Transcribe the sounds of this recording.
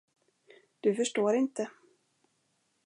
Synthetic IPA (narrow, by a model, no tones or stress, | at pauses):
d̪̥ɵfœʂʈoːɾɪnt̪ə